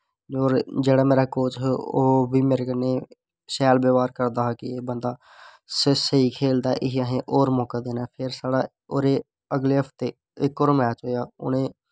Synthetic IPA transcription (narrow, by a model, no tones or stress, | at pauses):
oːɾd͡ʒeːɽaːmeːɾaːkoːt͡ʃɦoːbiːmeːɾeːkəneː | sɛːlbeːʋaːɾkəɾd̪aːɦaːkɪeːbənd̪aː | sɪsiːkʰeːld̪aːʔɪɦiəɦẽːʔoːɾmɔːkaːd̪eːnaːpʰɪɾsaːɽaː | oːɾeː | əɡleːɦəpʰt̪eː | ɪkːoːɾmɛːt͡ʃɦoːjaːʊ̰nẽː